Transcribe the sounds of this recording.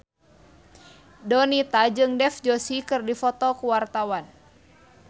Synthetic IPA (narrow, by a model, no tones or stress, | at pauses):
dɔnit̪ad͡ʒɨŋdɛfd͡ʒosikɨrdifɔt̪ɔkuwart̪awan